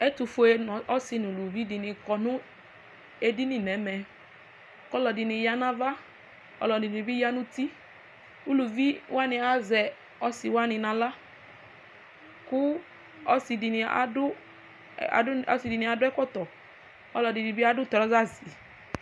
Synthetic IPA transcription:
ɛ˦tu˨fʊ˨˦e˦n˨ɔ˦sɪ˧n˨lu˨vi˦di˨nɪ˨kɔ˨nʊ̃˦ | e˦di˦ni˨nɛ˨˦mɛ˨ | kɔ˦lɔ˨dɪ˨nɪ˧ja˦na˦va˦ | ɔ̰˨lɔ˨di˨ni˨bi˦ja˦nu˦ti˦ | u˦lu˨vi˦wʔa˦nɪ˧a˦zɛ˨ | ɔ˦sɪ˨wa˦nɪ˨nã˨la˦ | kʊ˦ | ɔ˦si˨di˨nɪ˨a̰˨dʊ̰˦˨˦ | ɔ˨˦si˨di˨ni˨a˨dʊ˦ɛ˦kɔ˦t̪ɔ˨ | ɔ˦lɔ˨di˨di˨bi˦a˦dʊ˦tɔ˨ɾɔ˦za˦˨zi˨

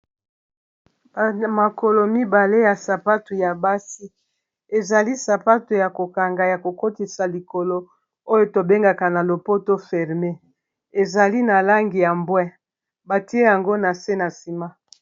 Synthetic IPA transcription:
ma˨ko˨lo˨mi˦ba˨le˦ja˨sa˨pa˦tu˨ja˨ba˦si˦ | e˨za˨li˦sa˨pa˦tu˨ja˨ko˨ka˨ŋɡa˨ja˨ko˨ko˦ti˨sa˨li˨ko˨lo˦ | o˦jo˦to˨be˦ŋɡa˨ka˨na˨lo˨po˦to˦fɛ˨ʁme˦ | e˨za˨li˦na˨la˦ŋɡi˨ja˨mbwɛ˦ | ba˨ti˦e˦ja˨ŋɡo˦na˨se˦na˨si˨ma˦

